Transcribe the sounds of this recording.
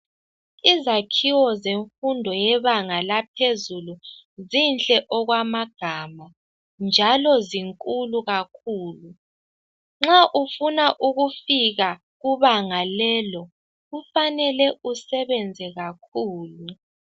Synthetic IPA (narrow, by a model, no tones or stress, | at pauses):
izakʰiwɔzeɱfundʱɔjɛβaŋalap̚ʰezuluzint͡ɬʼɛʔɔɣwamaɡ̥ʱama | nd͡ʒʱalɔziŋkʼuluɣakʰuːlu | ŋ͡ǁaʔufunaʔuɣufiɣa | ɣuβaŋalɛːlɔ | ɣufanɛlɛʔusɛβɛnd͡zʱɛɣakʰuːlu